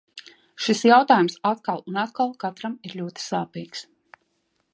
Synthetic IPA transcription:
ʃisjawt̪aːjumsat̪kalˠunat̪̚kalˠkat̪ɾamiɾlʲuɔt̪i̥saːpiːks

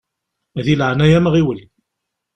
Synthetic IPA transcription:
æðilʕnæjæmʁiwəlː

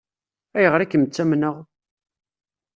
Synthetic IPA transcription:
æjəʁɾækːəmət͡sːæmnəʁ

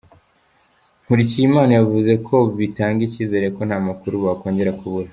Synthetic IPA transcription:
ŋuɾicimaːnajavuze̞kʰo̞βitaːŋɡiciːze̞ɾeko̞n̥haːmakuɾuβako̞ːɲɟe̞ɾakʰuβuɾa

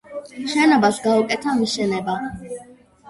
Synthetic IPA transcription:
ʃɛnɔbasɡaukʼɛt̪ʰamiʃɛnɛba

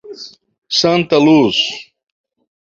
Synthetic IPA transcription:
sɐ̃nt̪ɐlus

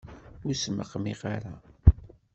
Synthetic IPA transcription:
ʊɾsmə̰qːmiʁaɾa

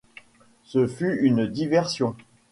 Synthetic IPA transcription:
səfyynd̪ivɛʁsjɔ̃

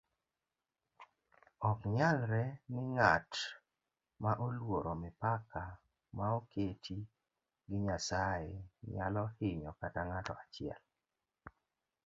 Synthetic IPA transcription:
ɔkɲalɾɛnɪŋat | maʔolwoɾomɪpaka | maokʰetʰi | ɡɪɲasaɪɲa̰lɔhɪɲɔkataŋatɔ̰at͡ʃɪɛ̰l

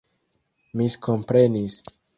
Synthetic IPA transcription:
miskʰɔ̃mpɾẽnis

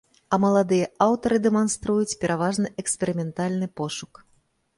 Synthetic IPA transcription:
ɐmɐlˠad̪ɨjɐawt̪ɐɾɨd̪ɛmanst̪ɾujut͡sʲpʲɛɾavaʐnɨʔɛksʲpʲɛɾɨmʲɛnt̪alʲnɨpɔʂuk

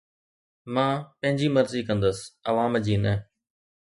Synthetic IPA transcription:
mãːpə̃ɦɪ̃ɲd͡ʑiːməɾziːkə̃nd̪əsəʋãːmd͡ʑiːnɛ

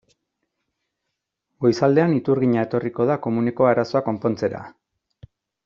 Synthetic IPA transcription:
ɡo̞jsald̪e̞anit̪uɾɣiɲae̞t̪o̞riko̞ðako̞muneko̞aɾaso̞ako̞mpo̞nt͡se̞ɾa̰

